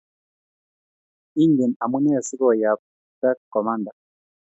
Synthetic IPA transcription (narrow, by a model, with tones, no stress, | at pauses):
i˦ŋɡɛ˨na˨mu˦nɛ˦˨si˦kɔ˦˨ja˨ | ba˦kkːɔ˨ma˦nda˨